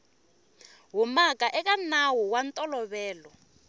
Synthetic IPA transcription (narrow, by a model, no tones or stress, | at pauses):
ɦumakaʔɛk̬anawuwantʼɔlɔβɛːlɔ